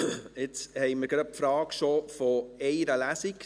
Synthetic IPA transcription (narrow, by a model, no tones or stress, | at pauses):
ɪt͡shɛɪməɾɡ̥ɾɑfɾɑːkʃofɔɛɪɾəlæsik